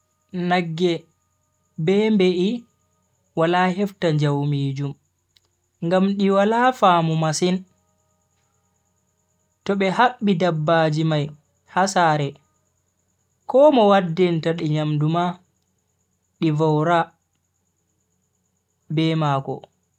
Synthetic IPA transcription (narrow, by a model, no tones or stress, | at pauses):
naɡːɛ | bɛmbeʔi | walahɛftaɲd͡ʒawmiːd͡ʒum | ŋɡamɗiwalafaːmumasin | tɔɓɛhaɓːidabːaːd͡ʒimaj | hasaːɾɛ | kɔmɔwadːintaɗiɲamduma | ɗivawɾa | bɛmakɔ̰